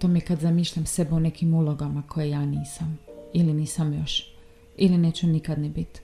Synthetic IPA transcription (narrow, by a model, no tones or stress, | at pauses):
t̪omikad̪zamiːʃʎamse̞beune̞kimulˠoɡamakʰojejaːniːsamiliniːsamjo̞ʃ | ilineːt͡ɕunikad̪nɛbit̪